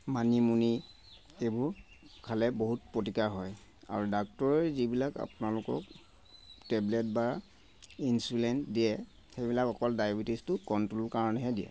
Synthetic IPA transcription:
manimuni | ebʊɹ | kʰalɛboɦut̚pɹotikaɹɦɔj | a̰ɹudak̚tɔɹɛzibilaka̰punalʊkɔ̰k̚ | tɛblɛt̚ba | insulɛntdiɛ | xejbilakɔkɔldajbitistʊkɔntɹolkaɹɔnɛɦɛdiɛ̰

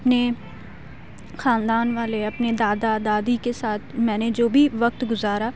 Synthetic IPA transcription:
pne | xaːnd̪aːnʋaːleəpneːd̪aːd̪aːd̪aːd̪iːkesaːt̪ʰmɛ̃ːnẽd͡ʒoːbʱiːʋək̚t̪ɡʊzaːɾaː

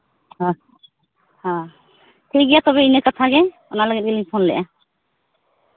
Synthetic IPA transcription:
hã | hã | t̪ʰejɡijat̪ɔbɛinəkat̪ʰaɡɛ | ɔnalaɡɛt̚ɡɛliɲpʰɔnlɛ̰ʔa

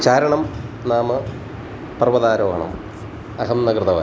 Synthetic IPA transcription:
t͡ɕaːɾɐɳɐmnaːmɨ | pɐrʋɐðaːɾoːɦɐɳɐ̰m | ɐɦɐmnɐɡrɨt̪ɐʋa̰

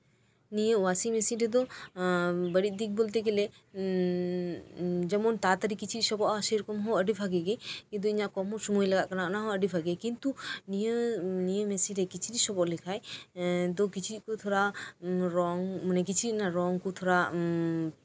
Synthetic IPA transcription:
nijəʔwasimɛsiɾɛd̪ɔ | bəɽit̪̚ˀd̪ik̚bolt̪eɡɛlɛ | d͡ʒɛmɔnt̪at̪əɾikit͡ʃʰit̪̚sɔbɔʔasejɾɔkɔmɦɔəɖipʰaɡɛɡɛkːd̪ɔiɲaʔkɔmɔsɔmujlaɡaʔkanaʔnaɦɔəɖipʰaɡɛkint̪unijənijəmɛsiɾɛkit͡ʃʰiɾisɔbɔʔlɛkʰajd̪ɔkit͡ʃʰit̪̚kut̪ʰɔɾaɾɔŋmanɛk̬it͡ʃʰinaɾɔŋkut̪ʰɔɾa

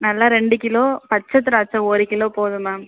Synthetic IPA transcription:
nɐlːaːɾɛɳɖɯkɪloːpɐt͡ʃːɐt̪̬ːɯɾat͡ʃːɐ̃oːɾikɪloːpoːðɯmaː

